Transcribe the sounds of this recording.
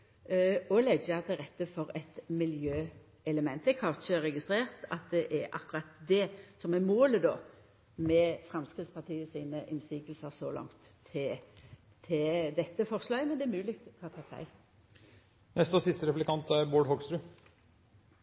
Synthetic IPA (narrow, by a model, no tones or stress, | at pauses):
ɔlɛɡəɑt̪ːɛʁɛt̪ːəfɔɾɛt̪mɪljøː | ɛləmɛnt̪̚d̪ɛkhɑʁʃəɾɛɡɪst̪ʁeːʁt̪ɑ̰t̪̚d̪ɛʔæɾʔɑ̰kːʉɾɑt̪d̪ɛsɔmɛmoːləd̪ɔː | mɛfɾɑmskʁɪd̪spɑʁt̪ʰiːəsiːnəʔɪnsiːɡlsəʁsɔlɑ̰ŋt̪ʰːɪ | t̪ʰɪd̪ɛt̪ːəfɔʁslɑːɡmɛnd̪ɛːɾmʉːlɪkt̪kʰhɑt̪ʰɑːt̪æ̰ɪ | nɛst̪əsɪst̪əɾɛplɪkɑnt̪æɾboːɖhɔɡst̪ɾʉ